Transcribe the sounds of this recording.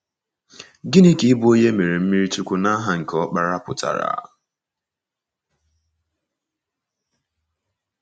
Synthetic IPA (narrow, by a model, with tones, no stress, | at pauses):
ɡɪ˦ni˦ki˦i˦bu˦o˦ɲe˦me˨ɾe˨m̩˦mi˦ɾi˦tu˦kʷu˦na˦ɦa˨ŋ̩˨kʰɔ˦k͡pa˨ɾa˦pʊ˨ta̰˨ɾa̰˨